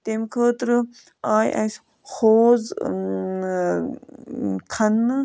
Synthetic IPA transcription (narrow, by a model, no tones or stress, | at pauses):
t̪emkʰəːt̪ɾɨ | aːjʔɐ̰s | xoːz | kʰɐnːɨ